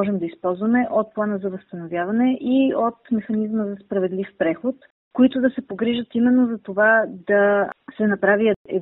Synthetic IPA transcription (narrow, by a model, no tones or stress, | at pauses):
ɔʒɛmd̪ɐispɔlˠzvɐmɛʔot̪̚plˠanəzɐvəst̪ɐnovjavɐnɛʔiot̪mɛxɐnizməzɐspɾɐvɛd̪lifpɾɛxot̪ | koit̪ʊd̪ɐsɛpoɡɾiʒət̪imɛnːozɐt̪ovad̪ɐsɛnɐpɾaviəɛ̰